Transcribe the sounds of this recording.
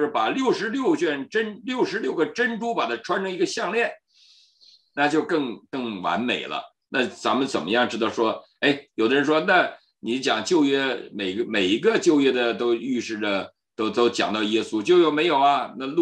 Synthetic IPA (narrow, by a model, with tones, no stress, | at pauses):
ʂɻ̩˥˩pa˨˩ljo˥˩ʊʂɻ̩˧˥ljo˥˧ʊt͡ɕɥɛ˥˩nʈ͡ʂə˥nljo˥˩ʊʂɻ̩˧˥ljo˥˩ʊɡə˩ʈ͡ʂə˥nʈ͡ʂu˥pa˨˩t̪ʰa˥ʈ͡ʂʰwa˥nʈ͡ʂʰɤ˥ŋi˧˥ɡə˧ɕjɑ˥˧ŋljɛ˥˩n | na˥˧t͡ɕjo˥˧ʊkɤ˥˩ŋkɤ˥˩ŋwa̰˧˥nme˨˩ɪlə̰˦ | na˥˩t͡sa̰˧˥mə˨˧nt͡sə̰˨˩nmə˦jɑ˥˩ŋʈ͡ʂɻ̩˥d̪ɑ˥˩ʊʂwɔ˥ | e˥˩ɪjo˨˩d̪ə˦ɻə˧nʂwɔ˥na˥˩ | ni˧˥t͡ɕjɑ˨˩ŋt͡ɕjo˥˧ʊɥɛ˥me˨˩ɪɡə˧me˨˩ɪi˧˥ɡə˧t͡ɕjo˥˧ʊjɥɛ˥d̪ə˨t̪o˥ʊy˥˧ʂɻ̩˥˩də˩ | t̪o˥ʊt̪o˥ʊt͡ɕjɑ̰˨˩ŋt̪ɑ˥˩ʊjɛ˥su˥t͡ɕjʊjo˨˩ʊme˧˥ɪjo˨˩ʊɐ˧na˥˧lu˥